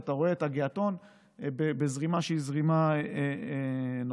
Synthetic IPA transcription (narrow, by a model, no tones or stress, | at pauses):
taʁo̞eetaɡeato̞n | bebezʁimaʃeizʁimaeen